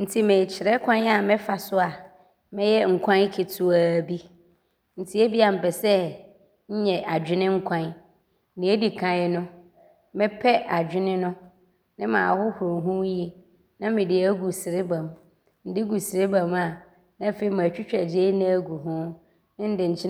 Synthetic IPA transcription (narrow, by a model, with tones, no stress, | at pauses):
n̩˨tʰi˦mɪ̃˨t͡ɕʰɪ˨ɾɛ˦kʰʷã˦n˦a˨mɪ̃˦fa˨sʊ˦a˨ | mɪ̃˦jɛ˦ŋ̩˨kʷʰã˦n˦kʰɪ˨tʰʊ˦a˨bi˦ | n̩˨tʰi˦e˦bi˦a˨m̩˨pɛ˨sɛ˦ | ɲ̩˦ɲɛ˨ʔa˨d͡ʑᶣɪ˦nɪ̃˦ŋ̩˦kʷʰã˦n˦ | nɪ̃˨˦e˦di˨kʰã˦nʊ̃˦ | mɪ̃˦pʰɛ˦ʔa˨d͡ʑᶣɪ˦nɪ̃˦nʊ̃˦ | nɪ̃˦mã̰ː˨hʊ˦hõ˨ɦũ˦ji˦ | nã˦mɪ̃˨dɪ˨æ˦ɡu˨sɪ˨ɾɪ˦bã˨m | n̩˨dɪ˦ɡu˨sɪ˨ɾɪ˦bã˨ma˨ | nã˦fe˨i˨ma˨t͡ɕᶣi˦t͡ɕᶣɛ˨d͡ʑe˦nɪ̃˦æ˦ɡu˨ɦʊ̃˦ | ɪ̃˦n̩˦dɪ˨ɲ̩˨t͡ɕʰɪ˦